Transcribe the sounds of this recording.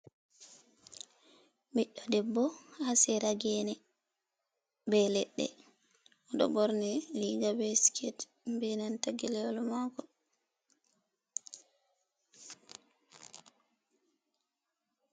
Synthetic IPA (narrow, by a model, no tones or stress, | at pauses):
miɗɔdɛbːɔhasɛɾaɡɛnɛ | bɛlɛɗːɛ̰ | ʔɔɗɔ̰bɔɾnɛliɡabɛsi̥kʰɛt | mbɛnantaɡɛlɛlɔmakɔ